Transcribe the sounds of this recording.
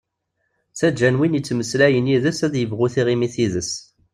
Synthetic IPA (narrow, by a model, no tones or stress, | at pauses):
t͡sæd͡ʒænwinjət͡sːməslæjənjiðəsæðjəvʁʊθiʁimiθiðəs